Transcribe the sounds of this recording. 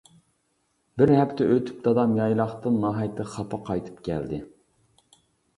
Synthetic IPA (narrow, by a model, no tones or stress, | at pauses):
bɪɾɦɛpt̪ʰɛʔøt̪ʰy̥p̚d̪ɑd̪ɑmjɑjlˠɑχt̪ɨnːɑɦɑjt̪ʰɨχɑpʰɑqʰɑjt̪ʰɨ̥pkʲʰæ̰ld̪ɪ